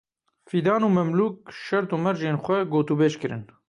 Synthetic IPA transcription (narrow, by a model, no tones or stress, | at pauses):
fiːd̪ɑːnuːmɛmluːk̚ʃɛɾt̪uːmɛɾʒeːnxʷɛɡoːt̪uːbeːʃkɨɾɨ̰n